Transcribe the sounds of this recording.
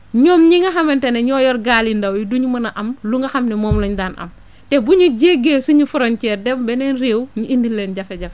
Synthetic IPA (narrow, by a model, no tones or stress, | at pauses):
ɲɔːmɲiŋɡɐxɐmɛntɛnɛɲɔːjɔɾɡaːlindɐwjiduɲmɐnɐʔɐmluŋɡɐxɐmnɛmɔːmlɔɲdaːnʔɐ̰m | tɛbuɲuɟeːɡeːsuɲufuɾɔnt͡ʃɛːɾdɛmbɛnɛnɾeːwɲuʔindilːɛːnɟɐfɛɟɐf